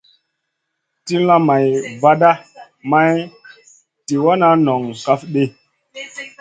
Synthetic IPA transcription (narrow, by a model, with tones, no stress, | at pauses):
ti˦la˦ma˨jva˦da˦ | ma˦j | ti˨wa˦na˦nɔ˨ŋka˦fɗe˦